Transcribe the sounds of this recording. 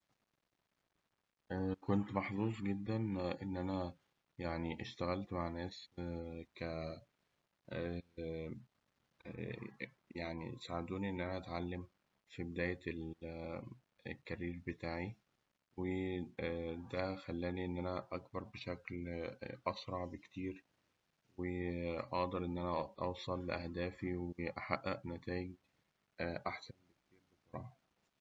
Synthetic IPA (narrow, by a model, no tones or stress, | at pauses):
ʔkont̪mɑħzˤuːsˤɡed̪ːænʔenːʔænæ | jaʕniʔeʃt̪æɣælt̪maʕnæːs | kæ | jaʕnḭsaʕed̪uːniʔenːʔænæʔæt̪ʕalːem | fibed̪æːjæel | ekːæɾiːɾbet̪aːʕi | we | d̪æxælːæːniʔenːʔænæʔɑkbɑɾˤbeʃæklʔɑsɾˤɑʕbekt̪iːɾ | weʔɑʔd̪ˤɑɾʔenːʔænæʔɑwsˤɑlːʔæhd̪æːfiweʔaħa̰ʔːæʔnːæt̪æːjeɡ̚ | ʔaħsænbekt̪iːɾbesoɾˤɑːħɑ